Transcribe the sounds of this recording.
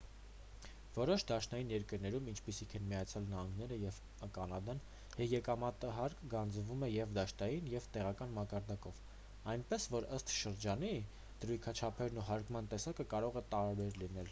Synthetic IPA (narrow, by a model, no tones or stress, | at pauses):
vɔɾɔʃd̪ɑʃnɑjinjɛɾkəɾnɛɾumint͡ʃʰpisikʰɛnmijɑt͡sʰjɑlnəhɑŋɡnɛɾəjɛv | kɑnɑd̪ɑn | hjɛkɑmɑt̪əɦɑɾkɡɑnd͡zvumɛjɛvd̪ɑʃt̪ɑjinjɛvt̪ɛʁɑkɑnmɑkɑɾd̪ɑkɔv | ɑjnpɛsvɔɾəst̪ʃəɾd͡ʒɑni | d̪̥əɾujkʰɑt͡ʃʰɑpʰɛɾnuɦɑɾkmɑnt̪ɛsɑkəkɑɾɔʁɛt̪ɑɾbɛɾlinɛl